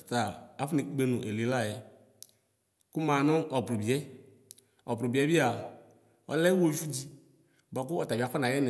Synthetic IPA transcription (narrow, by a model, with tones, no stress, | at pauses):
t̪a˨a˦fni˨˦ɡ͡be˨nʊ̰̃˨ʔe˨li˨˦la˦˨jɛ˨ | kʊ˦mã˨nʊ̃˦ɔ˨bɾʊ˨bi˨ɛ˦ | ɔ˨bɾʊ˨bi˨ɛ˦bi˦a˨ | ɔ̰˦lɛ˦wo˦d͡ʒu˦d͡ʑi˦ | ba˨k̬ʊ˦ɔ˨t̪a˨ba˨fa˦nã˨jɛ˦nɪ˨